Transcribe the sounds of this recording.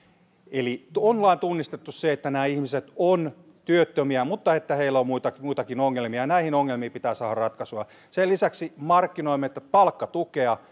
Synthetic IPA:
elit̪onlɑint̪unːist̪et̪ːusseet̪ːænæːihmiset̪on | t̪yøt̪ːømiæmut̪ːɑet̪ːæheilːæommuit̪ɑmuit̪ɑkinoŋːelmiɑnæihinoŋːelmiːpit̪æːsɑːhɑrɑt̪kɑsuɑ | selisæksimɑrkːinoimːet̪ːæt̪pɑlkːɑt̪ukeɑ

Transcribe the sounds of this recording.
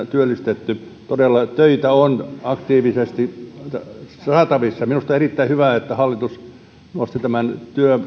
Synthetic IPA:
t̪yølːist̪et̪ːy | t̪odelːɑt̪øit̪æonɑkt̪iːʋisest̪i | sɑːt̪ɑʋisːɑminust̪ɑerit̪ːæihyʋæˑet̪ːæhɑlːit̪us | nost̪it̪æmænt̪yø

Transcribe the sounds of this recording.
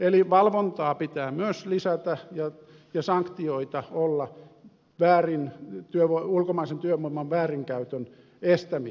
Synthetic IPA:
eliʋɑlʋont̪ɑːpit̪æːmyøslisæt̪æjɑ | jɑsɑŋkt̪ioit̪ɑolːɑ | ʋæːrint̪yøʋoulkomɑisent̪yømːuimːɑʋʋæːriŋkæyt̪øn | est̪æmi

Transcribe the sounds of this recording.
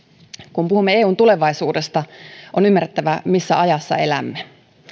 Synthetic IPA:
kumpuhumːee̞ːuːnt̪ule̞ʋɑjsuːde̞st̪ɑʔo̞nymːæret̪ːæʋæmisːæ̰ʔɑjɑsːɑ̰e̞læ̰mːe

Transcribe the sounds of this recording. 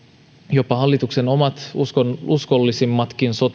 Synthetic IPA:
jo̞pːɑɦɑlːit̪ukse̞no̞mɑt̪uskousko̞lːisimːɑt̪kinso̞t̪

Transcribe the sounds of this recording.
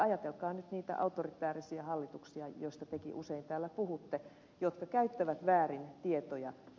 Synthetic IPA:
ɑjɑt̪elkɑːnyt̪niːt̪æ̰ʔɑ̰ut̪orit̪ˑæːrisiɑhɑlːit̪uksiɑjoist̪ɑt̪ekḭʔuseint̪æːlːæpuhut̪ːe | jot̪kɑkæyt̪ːæʋæt̪ʋæːrint̪iet̪ojɑ̰

